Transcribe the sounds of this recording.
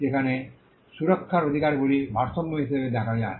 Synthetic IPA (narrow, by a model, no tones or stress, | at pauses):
ekʰane | suɾokʰːaɾod̪ʱikaɾɡulibʱaɾsomːoɦiʃebed̪ɛkʰad͡ʑae